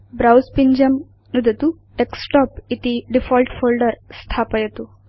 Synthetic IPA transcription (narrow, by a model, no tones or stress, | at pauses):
bɾawspiɲd͡ʑəm | nud̪ʱət̪u | eksʈɔpit̪iɖifɔlʈfolɖəɾst̪ʰapəjet̪u